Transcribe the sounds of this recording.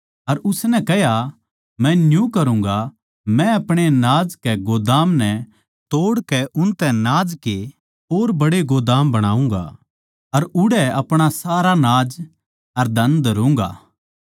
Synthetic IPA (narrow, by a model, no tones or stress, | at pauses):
ɐɾʊsnɛkɛɦja | mɛ̃njũkɐɾũːŋɡa | mɛ̃ɐpɽ̃enaːd͡ʒkɛɡoːd̪aːmnɛ | t̪oːɽkɛʊnt̪ɛ̃naːd͡ʒke | oːɾbɐɽeɡoːd̪aːmbɐɽ̃aːũːŋɡa̰ | ɐɾʊɽɛɐpɽ̃asaːɾanaːd͡ʒ | ɐɾd̪ʱɐ̃nd̪d̪ɐɾũːŋɡa̰ː